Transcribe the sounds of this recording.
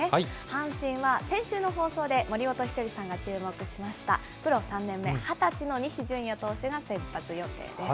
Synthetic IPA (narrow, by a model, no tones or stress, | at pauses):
ehãɰ̃ɕĩɰ̃βasẽ̞ɰ̃ɕɨːno̞ɦo̞ːso̞ːd̪e̞mo̞ɾʲimo̞t̪o̞çʲi̥t͡ɕo̞ɾʲisãŋɡat͡ɕɨːmo̞kɯ̟ɕimaɕi̥t̪a̰ | pɯ̟ɾo̞sãnːẽ̞mːe̞hat̪at͡ɕino̞ɲ̟iɕiʑɨ̃ɰ̃jot̪o̞ːɕɨɡasẽ̞mpːat͡sɨjo̞t̪e̞̰ːd̪e̞s